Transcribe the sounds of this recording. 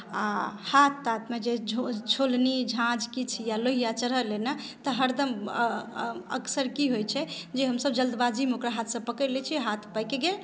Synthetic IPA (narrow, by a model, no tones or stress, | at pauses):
ahat̪ʰːat̪med͡ʒeot͡ʃʰolnid͡ʒʱãd͡ʒkit͡ʃʰijaloɦijat͡ʃəɾɦəlenat̪əɦəɾd̪ʱəm | ə̰ksəɾkiɦojt͡ʃʰɛd͡ʒeɦəmsəb̚d͡ʒəld̪bad͡ʒimeokɾaɦat̪ʰsə̃pəkəlɛt͡ʃʰiɦat̪ʰpəjkeɡe